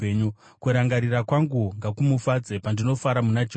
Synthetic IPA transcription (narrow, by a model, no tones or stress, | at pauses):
eɲu | kuɾaŋɡaɾirakwaŋɡuŋɡakumufad͡zepandino̞faɾamunad͡ʒ